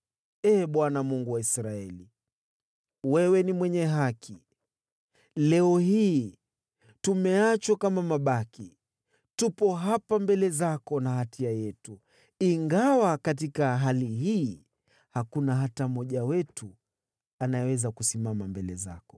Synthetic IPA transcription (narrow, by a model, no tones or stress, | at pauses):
ɛːɓwanamuŋɡuwaisɾaɛli | wɛwɛnimwɛɲɛɦakʰi | lɛɔhiː | tumɛat͡ʃwakamamaɓaki | tupɔɦapambɛlɛzakɔnahatʰiajɛtu | iŋɡawakat̬ikaɦaliɦiː | hakunaɦatam̩ɔʄawɛtu | anajɛwɛzakusimamambɛlɛ̰za̰kɔ̥